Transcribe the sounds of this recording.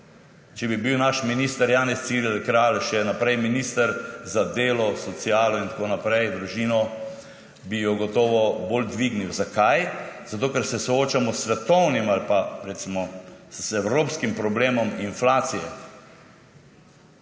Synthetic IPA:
t͡ʃɛbibiwnaʃminiːst̪əɾjaːnɛssiɾɛlkɾalʃɛnapɾɛjminiːst̪əɾzad̪eːlɔsɔt̪siaːlɔint̪akoːnapɾɛjd̪ɾuʒiːnɔ | bijɔɡɔt̪ɔːʋɔbold̪ʋiɡniwzakʰajz̥at̪oːkɛɾsɛsɔoːt͡ʃamɔsːʋɛt̪ɔwnimalpaɾɛt̪simɔ | ɛwɾoːpskimpɾɔbleːmɔminflaːt̪sijɛ̰

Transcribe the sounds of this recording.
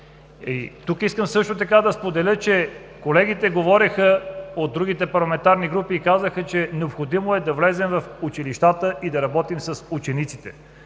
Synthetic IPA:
it̪ukiskəmsɤʃt̪ot̪ɐkad̪ɐspod̪ɛlʲɤt͡ʃɛ | kolɛɡit̪ɛɡovɔɾixəod̪ːɾuɡ̟it̪ɛpɐɾlˠɐmɛnt̪aɾniɡɾupiːkazəxət͡ʃɛnɛopxod̪imoɛd̪ɐvlɛzɛmvɐfut͡ʃiliʃt̪at̪əʔid̪ɐɾɐbɔt̪imsɐsut͡ʃɛnit̪sit̪ɛ̰

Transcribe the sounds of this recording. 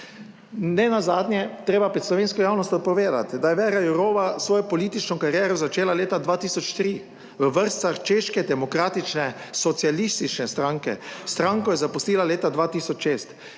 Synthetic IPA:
nɛnazaːd̪nʲjɛt̪ɾeːbapɾɛt̪slɔʋeːnskɔjaːwnɔst̪ɔt̪̚pɔʋeːd̪a̰t̪d̪ajɛʋɛɾajuɾoːʋasʋɔːjɔpɔliːt̪it͡ʃnɔkaɾjɛɾɔzat͡ʃeːlaleːt̪ad̪ʋaːt̪iːsɔt͡ʃt̪ɾi | ʋəʋəɾst̪saxt͡ʃeːʃkɛd̪ɛmɔkɾaːt̪it͡ʃnɛsɔt̪sjalist̪it͡ʃnɛst̪ɾaːŋkɛ̰st̪ɾaːŋkɔjɛzapɔst̪iːlaleːt̪ad̪ʋaːt̪iːsɔt͡ʃʃeːst̪

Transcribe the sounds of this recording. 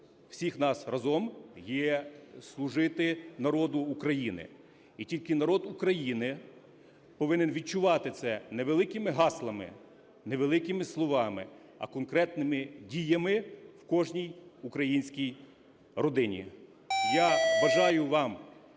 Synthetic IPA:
w̥sʲixnɑsrɐzɔmjɛslˠʊʒɪt̪ɪnɐɾɔd̪ʊːkɾɐjinɪ̰ | itʲilʲkɪnɐɾɔd̪ukɾɐjinɪ | pɔʋɪnɪnʋʲid̪̚t͡ʃʊʋɑt̪ɪt̪sɛneʋelˠɪkɪmɪɦɑslˠɐmɪ̰ | neʋelˠɪkɪmɪslˠɔʋɑmɪ̰ | ɐ̰kɔnkɾɛt̪nɪmɪdʲijɐmɪwkɔʒnʲijukɾɐjinʲsʲkʲij | rɔd̪ɪnʲḭ | jaʋɐʒɑjʊʋɑm

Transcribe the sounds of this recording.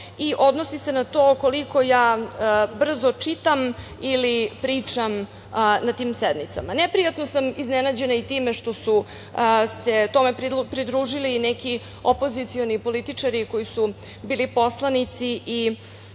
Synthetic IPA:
iʔo̞d̪no̞sise̞nat̪oko̞liko̞jaːbr̩zo̞t͡ʂit̪am | ilipɾiːt͡ʂam | nat̪iːmsed̪nit̪sa̰manepɾijat̪no̞samiznenad͡ʑe̞nait̪iːmeʂt̪o̞su | se̞t̪o̞mepɾpɾid̪ɾuːʒiliːnɛki | o̞po̞zit̪sio̞nipo̞lit̪it͡ʂaɾiko̞jisu | biːlipo̞slˠanit̪siʔi

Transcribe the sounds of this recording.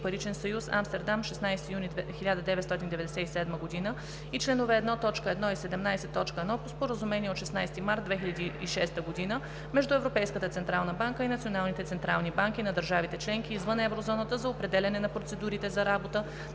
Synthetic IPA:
pɐɾit͡ʃɛnsɐjusa̰mst̪ɛɾd̪amʃɛsnajst̪ijunixilʲad̪əd̪ɛvɛt̪st̪ɔt̪ʲind̪ɛvɛd̪ɛsɛisɛd̪məɡod̪inə | it͡ʃlɛnovɛːd̪nɔt̪ɔt͡ʃkəɛd̪nɔisɛd̪ɛmnajsɛt̪ːɔt͡ʃkəɛd̪nɔpospoɾəzumɛniɛot̪ʃɛsnajst̪imaɾt̪vɛxilʎʲɐd̪iiʃɛst̪əɡod̪inə | mɛʒd̪uɛvɾopɛjskət̪ət̪sɛnt̪ɾalˠnəbaŋkəinɐt̪sionalˠnit̪ɛt̪sɛnt̪ɾalˠnibaŋk̟inɐd̪əɾʒavit̪ɛt͡ʃlɛŋk̟iːzvɤnɛvɾozɔnət̪əzɐopɾɛd̪ɛlʲɐnɛnɐpɾot̪sɛd̪uɾit̪ɛzɐɾabot̪ə

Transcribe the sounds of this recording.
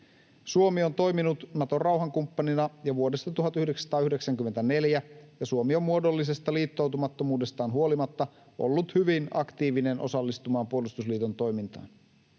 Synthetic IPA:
suomio̞nt̪o̞jminut̪nɑt̪o̞rɑwɦɑŋkumpːɑninɑjɑʋuo̞de̞st̪ɑt̪uɦɑt̪yhdeksst̪ɑːyhde̞ksæŋkymːent̪æne̞ljæjɑsuomio̞mːuo̞do̞lːise̞st̪ɑliːt̪ːo̞wt̪umɑt̪ːo̞muːde̞st̪ɑːnɦuo̞limɑt̪ːɑ | ʔo̞̰lːut̪hyʋinɑ̰kt̪iːʋine̞nʔo̞sɑlːist̪umɑːmpuolust̪usliːt̪o̞nt̪o̞jmint̪ɑ̰ːn

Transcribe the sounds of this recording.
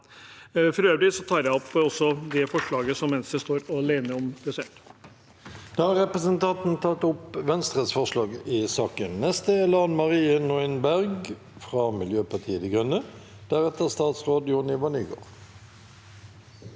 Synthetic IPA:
fɾøːʋlɪsɔt̪ʰɑːɾjæɪɔpːɔsːɔd̪ɛfɔʂɭɑːɡəsɔmːɛnsd̪əst̪oːɾɔleːnəɔmb̥ɑsḛːʈ | d̪̥ɑːhɑʁɛpʁəsənt̪ʰɑnt̪n̩t̪ʰɑt̪ːʊpːʋɛnst̪ʁət̪sfɔʁʂlɑːɡɪsɑːkənnɛst̪əɛlɑnmɑʁiːənɔɪnbæʁɡ | fʁɑmɪljøːpɑt̪ʰiːət̪ɪɡʁʉnːə | d̪̥æʁɛt̪əʁst̪ɑːt̪sʁoːd̪jʊnɪʋɑnyːɡo̰ːʁ

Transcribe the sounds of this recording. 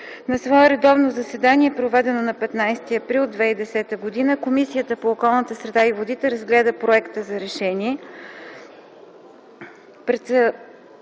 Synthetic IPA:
nɐsvɔɛɾɛd̪ɔvnozɐsɛd̪aniɛpɾovɛd̪ɛnonɐpɛt̪najst̪iɐpɾilˠd̪vɛid̪ɛsɛt̪əɡod̪inəkomisijət̪əpoːkɔlˠnət̪əsɾɛd̪aivod̪it̪ɛɾəzɡlɛd̪əpɾoɛkt̪əzɐɾɛʃɛniɛ | pɾɛt̪

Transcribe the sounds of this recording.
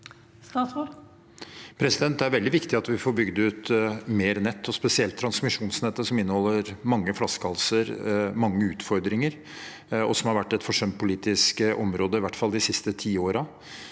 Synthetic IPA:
st̪ɑːsɔ | pʰɾɛsɪd̪ɛnt̪d̪ɛæɾʋɛld̪ɪʋɪkt̪ɪɑt̪ʋɪfoːɾbʏɡd̪əʉt̪meːɾnɛt̪ːɔspɛsɪɛlt̪ʰːɾɑnsmɪʂuːnsnɛt̪ːəsɔmɪnːəhɔlːəɾmɑŋːəflɑskɑlsəɾmɑŋːəʉːt̪fɔɾd̪ɾɪŋəɾ | ɔsɔmhɑɾʋæʈːɛt̪fɔʂœmt̪̚pʰʊliːt̪ɪskʔɔmɾoːd̪əɪʋæʈːfɑlːd̪ɪsɪst̪ət̪ʰiːoːɾɑ

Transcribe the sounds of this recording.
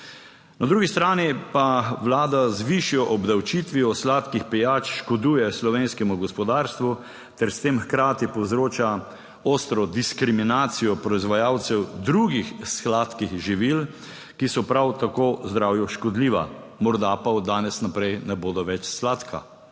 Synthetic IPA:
nad̪ɾuːɡist̪ɾaːnipawlaːd̪azʋiʃijɔʔɔbd̪awt͡ʃit̪ʋiɔslaːt̪kixpɛjaːt͡ʃʃkɔd̪uːjɛslɔʋeːnskɛmuɡɔspɔd̪aːɾst̪ʋu | t̪ɛɾst̪eːmxkɾaːt̪ipɔwzɾoːt͡ʃa | ost̪ɾɔd̪iskɾiminaːt̪sijɔpɾɔizʋajawt̪sɛwd̪ɾuɡixsklaːt̪kixʒiʋil | kisɔpɾawt̪akoːzd̪ɾawjɔʃkɔd̪liːʋa̰ | mɔɾd̪apaud̪aːnɛsnapɾɛjnɛboːd̪ɔʋɛt͡ʃslat̪kʰa̰

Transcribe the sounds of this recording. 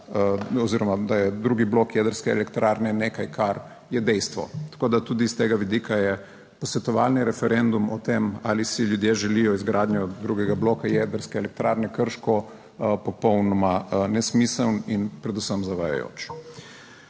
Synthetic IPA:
ɔziɾɔmad̪ajɛd̪ɾuːɡibloːkjɛd̪əɾskɛːlɛkt̪ɾaːɾnɛneːkajkʰaɾ | jɛd̪ɛjst̪ʋɔ̰t̪ḁkoːd̪at̪uːd̪ist̪eːɡaʋid̪iːkʰajɛ | pɔsʋɛt̪ɔʋa̰lniɾɛfɛɾend̪umɔt̪emalisiljud̪jeʒɛlijɔizɡɾaːd̪ɲɔd̪ɾuɡɛɡabloːkajɛd̪əɾskɛːlɛk̚t̪ɾaɾnɛkəɾʃkɔ | pɔpɔwnɔmanɛsmisəlninpɾɛd̪usəmzaʋaja̰jo̰ːt͡ʃ

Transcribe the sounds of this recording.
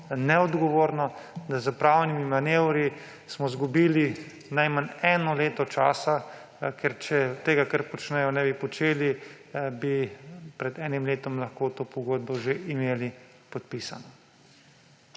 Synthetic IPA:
nɛɔd̪ɡɔʋoːɾnɔd̪azəpɾaːwnimimanewɾi | smɔzɡubiːli | najmanɛːnɔleːt̪ɔt͡ʃaːsa | kɛɾt͡ʃɛt̪eːɡakəɾpɔt͡ʃnɛjɔnɛːbipɔt͡ʃeːli | bipɾɛd̪ɛːnimleːt̪ɔmlɐxkoːt̪oːpɔɡoːd̪̚bɔʒeʔimeːli | pɔt̪̚piːsanɔ

